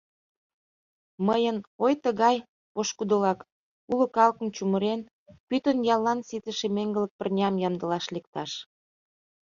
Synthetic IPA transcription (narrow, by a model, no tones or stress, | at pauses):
məjənojt̪əɣɑj | poʃkud̪ə̆lɑk | ulə̆kɑlkə̆mt͡ɕuməɾen | pyt̪ənjɑlːɑnsit̪əʃemeŋɡə̆lə̆k̚pərnʲɑmjɑmd̪ə̆lɑʃlek̚t̪ɑʃ